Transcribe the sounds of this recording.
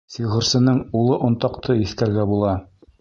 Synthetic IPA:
siʁɤ̆ɾsɤ̆nɤɴulˠɤʔŏnt̪ɑqt̪ʰɤɵ̆θkæɾɡæbulˠɑ

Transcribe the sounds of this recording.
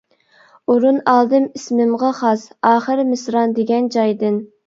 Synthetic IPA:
uɾunɑlˠd̪ɨmismɪmʁɑχɑsɑːχəɾmɪsɾɑnd̪eɡʲɛnd͡ʒɑjd̪ɨn

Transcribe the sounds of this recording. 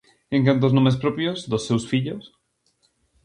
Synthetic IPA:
ẽŋkãnt̪̬oznõmespɾopjozðosːewsfiʎos

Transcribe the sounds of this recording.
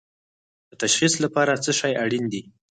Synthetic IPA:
d̪̥ət̪aʃχislapɑɾat͡səʃɑjaɽind̪i

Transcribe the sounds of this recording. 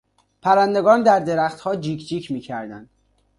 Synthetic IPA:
pʰæɾænd̪eɡɒːnd̪æɾd̪e̞ɾæxt̪hɒːd͡ʒiːkʰd͡ʒiːcʰmiːcʰæɾd̪ænd̪̥

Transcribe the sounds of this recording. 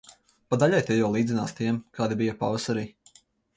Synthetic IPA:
pad̪aʎʲajt̪ɛjawlˠiːd̪zinaːst̪iɛmkɑːd̪ibijɐpa̰vasaɾiː

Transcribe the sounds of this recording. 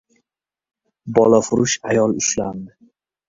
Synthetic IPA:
bɒlˠafʊɾʊʃajɒlˠʊʃland̪ɪ

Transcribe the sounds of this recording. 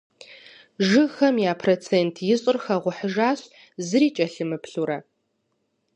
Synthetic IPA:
ʒɨxɐmjaːpʰroːt͡sʰeːntʰjɪɕʼɨrxɐʁʷʊħəʒaːɕ | zɨɾiːt͡ʃʼɐɬɨmɨpʰɬuɾɐ

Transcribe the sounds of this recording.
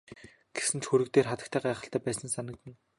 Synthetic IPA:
ɡ̥esɘ̆nt͡ɕxuɾɘ̆kt̪eːrχat̪ə̆k̚t̪ʰæːɢæːχə̆ɬt̪æːpæːsə̆nsanə̆k̚t̪ɘ̆n

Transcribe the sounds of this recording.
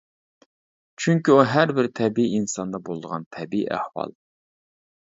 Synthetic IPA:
t͡ʃʰyŋkʲiuɦæɾbɪɾt̪ʰɛbiiinsɑnd̪ɑbolˠd̪əʁɑ̰nt̪ʰɛbiḭʔæ̰hwɑ̰lˠ

